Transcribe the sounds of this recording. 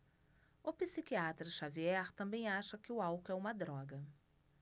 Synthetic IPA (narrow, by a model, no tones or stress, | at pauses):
ʊpisikiat̪ɾɐʃaviɛɾt̪ɐ̃mbẽj̃aʃɐkɪʊawkʊɛũmɐd̪ɾɔɡɐ